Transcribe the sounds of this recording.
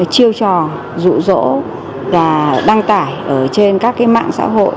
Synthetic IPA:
t͡ɕi˧əwt͡ɕɔ˨˩ | zṵ˧˨zo̰˧˥ | vaː˨˩ɗa˧ŋt̪aː˧˩jʔəː˧˩t͡ɕe˧nkaː˦˥kːaː˨˦jma̰ː˧˨ŋsa̰ː˧˥ɦo̰˧˨j

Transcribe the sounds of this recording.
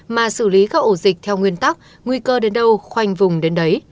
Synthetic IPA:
maː˨˩sɨ˧˩li˨˦kaː˦˥k̚ʔo˧˩zï˨˩k̟̚t̪ʰɛ˧wŋwi˧ənt̪a˦˥k̚ | ŋwi˧kəː˧ɗe˨˦nɗə˧wxwa˧jŋ̟vʊ˨˩ŋ͡mɗe˨˦nɗə˨˦j

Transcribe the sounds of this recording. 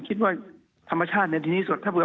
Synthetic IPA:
kʰi˦˥t̪̚waː˥˩ | t̪ʰa˧mːa˧t͡ɕʰaː˥˩t̪̚ni˧˥˨t̪iː˧niː˥˩su˨˩t̪ʰːaː˥˩bɯ˩˦

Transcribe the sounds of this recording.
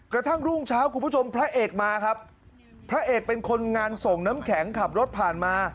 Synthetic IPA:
kɾa˧t̪ʰa˥˩ŋɾu˥˩ŋt͡ɕʰaː˦˥wku˧pʰu˥˩o˧mpʰɾa˦˥ʔeː˨˩k̚maː˧kʰa˦˥p̚ʰ | ɾa˦˥ʔeː˨˩k̚pe˧nkʰo˧nŋaː˧nso˨˩ŋnaː˦˥mkʰɛː˩˦ŋkʰa˨˩p̚ɾo˦˥t̪̚pʰaː˨˩nmaː˧

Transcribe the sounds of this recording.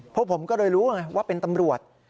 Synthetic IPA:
pʰɔ˦˥pʰo˩˦mkɔː˥˩ɾɤː˧jɾuː˦˥ŋa˧jwaː˥˩pe˧nt̪a˧mɾu˨˩ət̪̚

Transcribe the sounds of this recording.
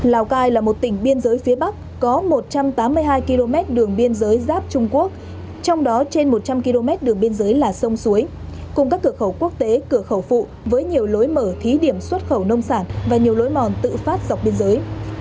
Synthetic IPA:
laː˨˩wkaː˧jlaː˨˩mo˨˩t̚t̪ï˧˩ŋ̟ɓi˧ənzəː˨˦jfi˨˦əɓa˦˥k̚ | kɔ˨˦mo˨˩t̚t͡ɕa˧mt̪aː˨˦mːɨ˧əjɦaː˧jki˧lo˧mɛ˦˥t̚ɗɨ˨˩əŋɓi˧ənzəː˨˦jzaː˦˥p̚t͡ɕʊ˧ŋ͡mku˦˥ək̚ | t͡ɕɔ˧wŋ͡mɗɔ˨˦t͡ɕe˧nmo˨˩t̚t͡ɕa˧mki˧lo˧mɛ˦˥t̚ɗɨ˨˩əŋɓi˧ənzəː˨˦jlaː˨˩sə˧wŋ͡msu˨˦əj | kʊ˨˩ŋ͡mkaː˦˥kːɨ˧˩əxə˧˩wku˦˥ək̚t̪e˨˦kɨ˧˩əxə˧˩wfṵ˧˨ | vəː˨˦jɲi˨˩əwlo˨˦jməː˧˩t̪ʰi˨˦ɗi˧˩əmswə˦˥t̚xə˧˩wnə˧wŋ͡msaː˧˩nvaː˨˩ɲi˨˩əwlo˨˦jmɔ˨˩nt̪ɨ̰˧˨faː˦˥t̚za˨˩wk͡p̚ɓi˧ənzəː˨˦j

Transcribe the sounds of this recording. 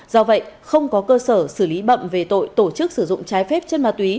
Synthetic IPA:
zɔ˧və̰˧˨jxə˧wŋ͡mkɔ˨˦kəː˧səː˧˩sɨ˧˩li˨˦ɓə̰˧˨mve˨˩t̪o̰˧˨jt̪o˧˩t͡ɕɨ˦˥k̚sɨ˧˩zʊ̰˧˨ŋ͡mt͡ɕaː˨˦jfɛ˦˥p̚t͡ɕe˧nma˨˩t̪wi˨˦

